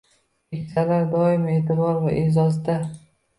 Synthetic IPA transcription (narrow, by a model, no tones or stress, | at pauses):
kʲʰekʲsʰalaɾd̪ɒɪmeːt̪ʰɪbɒɾvaʔezɒzd̪a